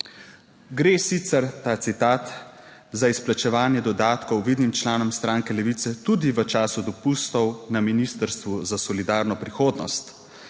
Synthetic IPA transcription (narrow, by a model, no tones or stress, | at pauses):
ɡɾeːsit̪sɛɾt̪aːt̪sit̪aːt̪zaisplat͡ʃɛʋaːnjɛd̪ɔd̪aːt̪kɔwʋiːd̪nimt͡ʃlaːnɔmst̪ɾaːŋkɛlɛʋit̪sɛt̪ud̪iʋət͡ʃaːsud̪ɔpust̪ɔwnaminist̪əɾst̪ʋuzasɔlid̪aːɾnɔpɾixoːd̪nɔst̪